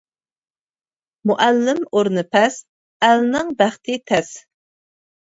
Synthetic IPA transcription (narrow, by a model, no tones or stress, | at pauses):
muʔælːɪmoɾnɨpʰɛs | ælnɨŋbæχt̪ʰɪt̪ʰɛs